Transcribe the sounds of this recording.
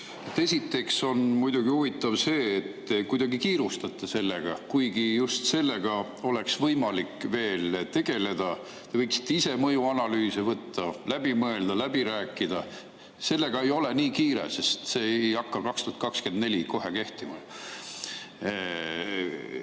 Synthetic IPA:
et̪ːe̞sit̪ːˑe̞kso̞nmujd̪uɡ̥iuvit̪ːˑɑvse̞ːt̪ːkujd̪̥ɑɡikiːɾust̪ɑt̪ˑːɑse̞lːeɡ̥ɑkujɡ̥ijust̪se̞lːe̞ɡ̥ɑ | o̞le̞ksvɤjmɑlikːve̞ːlt̪e̞ɡ̥e̞le̞d̪̥ɑ | t̪e̞vɤjksi̥t̪ˑːeise̞mɤjuɑnɑlyːsevɤt̪ːɑlæb̥imɤe̞ld̪ɑlæb̥iɾæːkˑːid̪ɑ | se̞lːe̞ɡ̥ɑe̞jo̞le̞niːkiːɾḛse̞st̪se̞ːejɑkːɑkɑkst̪oɑt̪kɑkske̞nd̪ne̞lʲiko̞ɦe̞ke̞ht̪imɑ

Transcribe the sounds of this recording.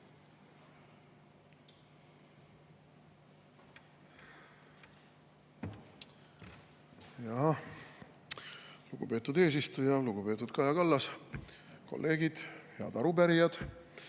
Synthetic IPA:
jɑɦɑ | luɡ̥ṵpe̞ːt̪ːud̪e̞ːs̬ist̪ujɑluɡ̥upe̞ːt̪ːˑud̪̥kɑjɑkɑlːɑs | ko̞̰lːe̞ːɡ̥id̪̥jɑ̰d̪ɑɾupæɾijɑd̪̥

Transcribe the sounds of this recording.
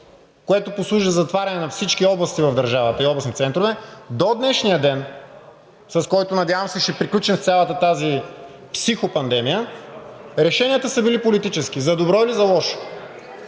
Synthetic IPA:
koɛt̪oposlˠuʒizɐt̪vaɾʲɐnɛnɐfsit͡ʃkiɔblˠɐst̪ivɐvd̪ɐɾʒavət̪əiɔblˠɐsnit̪t̪sɛnt̪ɾovɛd̪od̪nɛʃnijəd̪ɛn | sɐskɔjt̪onɐd̪ʲjavɐmsɛʃɛpɾiklʲut͡ʃɛnft̪sʲalˠət̪ət̪azi | psixopɐnd̪ɛmijə | ɾɛʃɛnijət̪əsəbilipolit̪it͡ʃɛsk̟izɐd̪obɾɔilizɐlˠɔʃo̥

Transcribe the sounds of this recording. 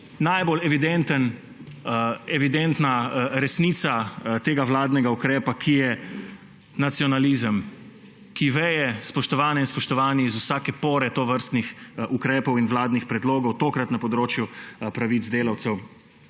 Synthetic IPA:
najbolɛʋid̪ent̪ən | ɛʋid̪ent̪naɾɛsniːt̪sat̪eːɡaʋlaːd̪nɛɡaukɾɛːpakʰijɛ | nat̪siɔnalizəm | kiʋɛjɛspɔʃt̪ɔʋaːnɛinspɔʃt̪ɔʋaːnizusaːkɛpoːɾɛt̪oːʋəɾst̪nixʔukɾɛːpɔwinʋlaːd̪nixpɾɛd̪loːɡɔwt̪oːkɾat̪napɔd̪ɾoːt͡ʃjupɾaʋid̪zd̪eːlawt̪sɛw

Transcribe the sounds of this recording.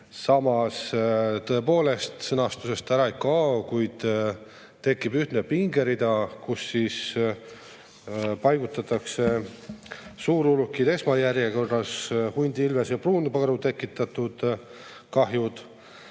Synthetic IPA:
sɑmɑst̪ɤe̞po̞ːle̞st̪sɤnɑst̪use̞st̪æɾɑekːɑːkujd̪̥ | t̪e̞kːibyht̪nepiŋɡe̞ɾid̪ɑkusːis | pɑjɡ̥ut̪ːˑɑt̪ːˑɑkse̞ | suːɾulukːˑid̪e̞smɑjæɾjeko̞rːɑshunʲd̪iilvesjɑpruːnupɑɾut̪e̞kːˑit̪ːˑɑt̪ud̪̥ | kɑɦjud̪̥

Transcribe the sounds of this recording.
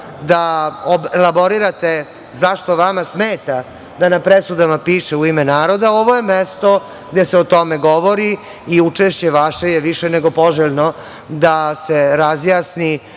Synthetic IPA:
d̪aobelabo̞ɾiɾat̪e | zaʃt̪o̞ʋamasmeːt̪a | d̪anapɾesud̪amapiːʃeuimɛnaːɾod̪aoʋoje̞mest̪o | ɡd̪eseot̪omeɡoʋoɾi | iut͡ʂeʃt͡ɕeʋaʃejeʋiʃeneɡopoʒeʎno | d̪aseɾazjaːsni

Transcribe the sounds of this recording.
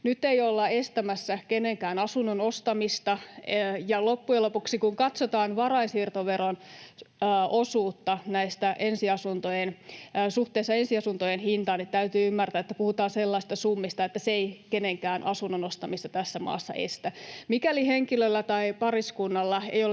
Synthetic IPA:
nyt̪ːeiolːɑest̪æmæsːækeneŋkæːnɑsunːonost̪ɑmist̪ɑjɑlopːujelopuksikuŋkɑt̪sot̪ɑːnʋɑrɑinsiːrt̪oʋeɾonː | osuːt̪ːɑnæist̪æʔensiɑsunt̪ojenːsuht̪eisːɑensiɑsunt̪ojenhint̪ɑːnːit̪tæyt̪yːymːært̪æːet̪ːæpuhut̪ɑːnselːɑist̪ɑsumːist̪ɑet̪ːæseeikeneŋkæːnʔɑ̰sunːonost̪ɑmist̪ɑt̪æsːæmɑ̰ːsːɑ̰ʔḛst̪æmikæliheŋkilølːæt̪ɑipɑriskunːɑlːɑḛjol

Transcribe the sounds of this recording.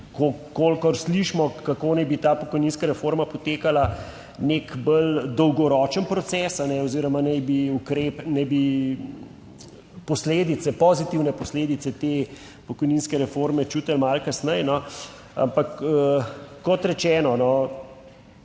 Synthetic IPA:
kokolkɔɾsliʃmɔkakonajbit̪aːpɔkɔjninskaɾɛfoɾmapɔt̪eːkala | nekbəld̪ɔwɡɔɾɔt͡ʃənpɾɔt̪sɛːsanɛɔziːɾɔmanɛjbiukɾeːpnɛjbi | pɔsleːd̪it̪sɛpɔzit̪iwnɛpɔsleːd̪it̪sɛt̪eː | pɔkɔjninskɛɾɛfoɾmɛt͡ʃut̪əlmalkasnɛjnɔ | a̰mpakəːɔt̪ɾɛt͡ʃɛːnɔnɔ

